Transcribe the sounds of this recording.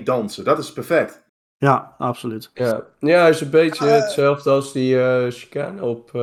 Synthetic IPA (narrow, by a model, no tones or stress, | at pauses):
dɑnsədɔtɪspɛɹfɛk̚t | jaʔapsolytjajaːɪsənbejtəətsɛlˠvdəɑlˠsdiəʃi̥kaːnəɔp